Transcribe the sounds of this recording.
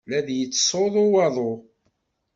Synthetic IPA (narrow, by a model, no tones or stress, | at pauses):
læðjət͡sːsˤoðˤowɑðˤo